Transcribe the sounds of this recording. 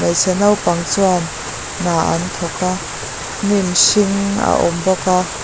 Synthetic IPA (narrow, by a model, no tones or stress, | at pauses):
majsɛnawpaŋt͡suanː | aːʔa̰nt̪ʰɔka | nimʃiŋa̰ʔɔmbɔka